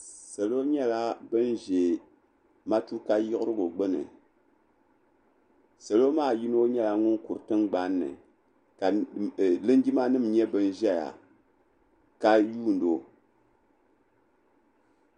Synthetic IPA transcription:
sa˨lo˦ɲɛ˦la˦bɨ˦nʒe˨ | ma˦tu˦ka˦jɪ˦ʔʊ˦ɾɨ˦ɡo˨ɡ͡bɨ˦nɨ̰˨ | sa˨lo˦maː˦˨ji˦n˦o˦ɲɛ˦la˨ŋʊ˦nku˨ɾtɨ˦mɡ͡ba˦nːɨ̰˨ | ka˨lɨ˦n˦ɡi˦ma˦nɨ˦mɲɛ˦bɨ˦n˦ʒɛ˦ja̰˨ | ka˦juː˦˨ndo˨

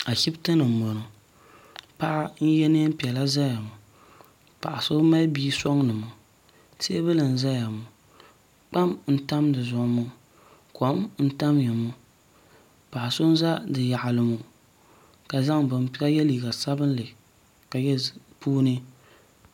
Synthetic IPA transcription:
a˨ʃi˦btɨ˦nɨ˨m˨mo˨nʊ˨ | pa˦ʔa˦n̩˦jɛ˦ne˦m̩˦pi˨ɛ˨la˦za˦ja˨mʊ˨ | pa̰˨ʔa˨so˦ma˦biː˦sɔ˦ŋnɨ˨mʊ˨ | se˦bɨ˦lɨ˨n̩˨za˦ja˨mʊ˨ | k͡pa˦mn̩˦ta˦mdɨ˨zʊ˨ʔmʊ˦ | ko˨˦mn̩˦ta˦mjɛ˨mʊ˦ | pa˨ʔa˨sʊ˦n˦za˦dɨ˨ja˨ʔa˨lɨ˨mu˦ | ka˨za˦ŋbɨ˨m˦pi˦a˦jɛ˦liː˨ɡa˨sa˦bɨ˦n˦lɨ˨ | ka˨jɛ˦ | puː˦nɨ˦

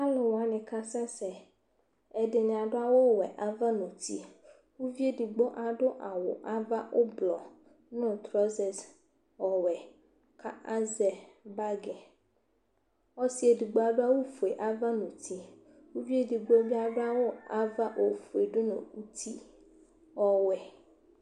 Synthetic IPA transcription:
a˦lɔ˨wa˨nẽ˨ka˦sã˦sɛ˨ | e˨de˨ɲ˨a˨ɖo˦a˦wo˦˨wɛ˨ʔa˨va˦nũ˨t̪i˦ | wu˦vi˦e˦di˨ɡ͡bo˦ʔa˨ɖo˦ʔa˨wo˨ʔa˦va˦ʔo˦blɔ˨ | nʊ̃˦˨t̪ɾɔ˦zɛ˨s | ɔ˨wɛ˨ | ka˦ʔa˦zɛ˨ba˦ɡɛ˨ | ɔ˦si˦e˨di˨ɡ͡bo˨˦a˨ɖo˦a˦wo˦fu˨e˨ʔa˦va˦nũ˨t̪ʰi˦ | wu˦vi˦e˦di˨ɡ͡bo˦vi˦a˨ɖo˦a˦wo˦a˨va˦ʔo˨fu˨e˨ɖʊ˦nṵ̃˨u˦t̪ʰi˦ | ɔ˦wɛ˨

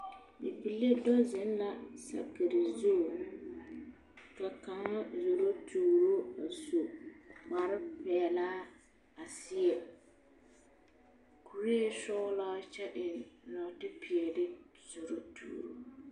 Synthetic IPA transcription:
bi˨pi˨le˦dɔ˦zɪ˦n˦la˨sa̰˨ke˨ɾɪ˨zo˦˨ | ka˨ka˨ŋa˦zo˨ɾo˦tʰuː˨ɾo˦a˨so˨ma˨ɾɪ˦pɛ˨laː˦ | a˨sɪ˦ɛ˨ | ku˨ɾi˦e˦sɔː˦laː˦t͡ʃɛ˦ɗɪ˨nnɔ˨tɪ˦pi˨ɛ˨dɪ˦ | z̥o˨ɾo˦tʰṵː˨ɾo˦

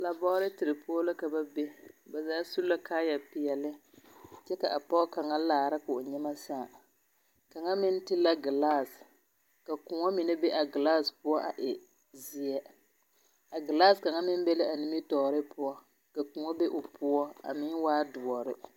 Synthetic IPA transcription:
la˨bɔ˦ɾɪ˦tɪ˨ɾɨ˨pʊ˦ɔ˦la˦ka˨ba˦be˦ba˨zaː˦su˦la˦kaː˦ja˨pɪ˨ɛ˨lɪ˦t͡ʃɛ˦ka̰˨ʔa˨pɔ˦ka˨ŋa˦laː˨ɾɪ˦kʊ˨ɲɛ˦ma˦sa˦˨ | ka˨ŋa˦mɪ˦n˦tɪ˦la˦ɡi˨la˦s | ka˨ku˨ŋɔ˦mɪ˨nɛ˦be˦ʔa˨ɡɪ˨la˦˨spʊ˦ɔ˦ʔa̰˨ʔɪ˨ | zɪ˦ɛ˦ | a˨ɡɪ˨laː˦˨ska˨ŋa˦mɪ˦m˦bɛ˦lɪ˦ʔa˨nɪ˦mi˦tɔː˨ɾɪ˦pʊ˦ɔ˦ | ka˨ku˨ŋɔ˦be˦ʔʊ˨pʊ˦ɔ˦a̰˨mɪ˦waː˦dʊ˨ɔ˨ɾɪ˦

